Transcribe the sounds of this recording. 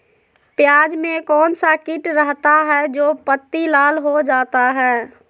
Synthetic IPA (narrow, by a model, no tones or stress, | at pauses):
pjaːd͡ʒmẽkɔːnsakɪʈɾəɦt̪aɦɛd͡ʒoːpət̪ːilaːlɦod͡ʒaːt̪aɦɛː